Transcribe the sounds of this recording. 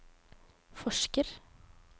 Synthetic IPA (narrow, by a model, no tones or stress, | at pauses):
fɔʃkəɾ